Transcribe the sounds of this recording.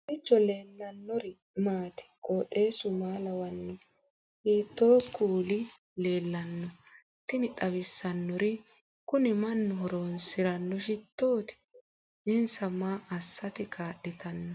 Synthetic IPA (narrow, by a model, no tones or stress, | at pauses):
ɪt͡ʃːɔle̞ːnːɐnːɔɾɪ | maːt̪ɪ̥kʼoːtːe̞ːsʊmaːlɐwɐnːɛ | hiːt̪ːoːkːuːlɪ | le̞ːlːɐnːɔ | t̪ːɪnɪtʼɐbɪsːɐnːɔɾɪ | kʊnɪmɐnːɔɦɔɾoːnsɪɾɐnːɔʃɪt̪ːo̞ːt̪ɪ̥ | ʔɪnsɐmaːʔɐsːɐt̪ɪkʰaːɗɛt̪ɐnːɔ